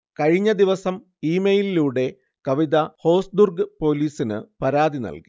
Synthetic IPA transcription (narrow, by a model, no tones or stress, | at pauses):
kɐɻiɲːɐd̪iʋɐsɐm | iːmejliluːɽe̞ | kɐʋiðɐho̞ːsd̪urɡɨpo̞ːliːsinɨ̰pɐɾaːðinɐ̰lki̥